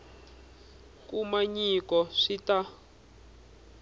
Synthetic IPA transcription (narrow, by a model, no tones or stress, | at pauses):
kumaɲikɔʂita